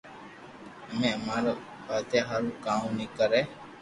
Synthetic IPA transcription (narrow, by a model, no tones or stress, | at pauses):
əmẽəmaːɾo | bət̪eɦaːɾũkaːũniːkəɾeː